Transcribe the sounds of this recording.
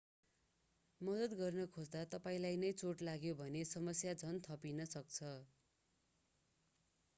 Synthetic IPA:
mʌd̪ʌt̪ɡʌrnʌkʰod͡zd̪at̪ʌpaĩlajnʌjt͡soʈlaɡjobʱʌnesʌmʌsjad͡zʱʌnt̪ʰʌpinʌsʌk̚t͡sʰʌ

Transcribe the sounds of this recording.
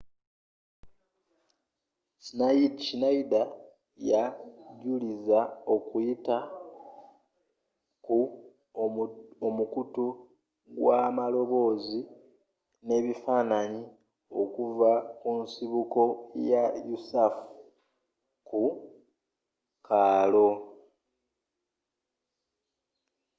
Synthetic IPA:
snaidt͡ʃinaida | jaɟulizao̞kujita | ku | omukutu | ɡwamalo̞βo̞ːzi | ne̞ːβifaːnaɲi | o̞kuvakunsiβuko̞jajusafu | ku | kaːlo̞

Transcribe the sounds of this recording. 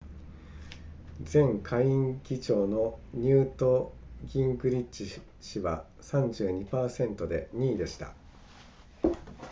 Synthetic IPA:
d͡zẽ̞ŋkʰaiĩŋkʲit͡ɕo̞ːno̞ɲ̟ɨːt̪o̞ɡʲĩŋɡɯ̟ɾʲit͡ɕi | ɕiβa | sãɲ̟d͡ʑɨːɲ̟ipaːsẽ̞nt̪o̞d̪e̞ɲ̟iːd̪e̞ɕi̥t̪a̰

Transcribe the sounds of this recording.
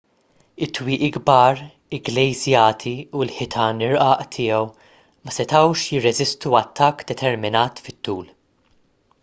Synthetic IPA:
ɪt̪ːwiːʔiɡbɐːɾ | ɪɡlɛjzjɐːt̪ʰiulħɪt̪ʰɐːnɪɾʔɐːʔt̪ʰɪːɛw | mɐsɛt̪ɐwʃjɪrːɛzɪst̪uɐt̪ʰːɐkːd̪ɛt̪ʰɛɾmɪnɐːt̪fɪt̪ːuːl

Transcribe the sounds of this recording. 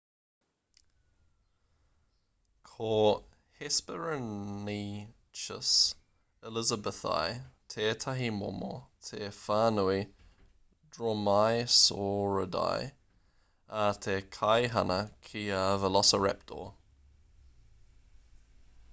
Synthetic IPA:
kʰoː | hɪspəɹəniː | t͡ʃəs | ɪlɪzəbəθa̰jtʰeːt̪ʰaɦimɔ̰mo̰t̪ʰeːfaːnui | dɹomajsoːɹəda̰j | at̪ʰeːkʰajɦanəkʰiːavəlɔsəɹɛ̰p̚tʰo̰ː

